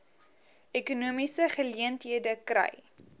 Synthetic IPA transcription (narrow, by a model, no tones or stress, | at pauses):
ʔɛkunuəmisəχəliəntɦiədəkrɛ̰j